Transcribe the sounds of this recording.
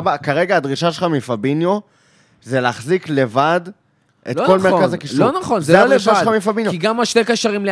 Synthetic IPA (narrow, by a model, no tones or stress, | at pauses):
bakaʁe̞ɡaːd̪ʁiʃaʃelχamifabinjo | zelːχzikle̞vad̪ | ʔet̪ko̞lmekazakiʃlonaχonzeleʃaeamifabinjoiɡamaʃtejkaʃaʁimle